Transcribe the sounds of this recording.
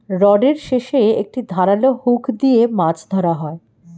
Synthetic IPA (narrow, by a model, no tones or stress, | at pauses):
ɾɔɖeɾʃeʃeek̚ʈid̪ʱaɾalohukʰd̪iemad͡ʑʰd̪ʱɔɾaɦɔe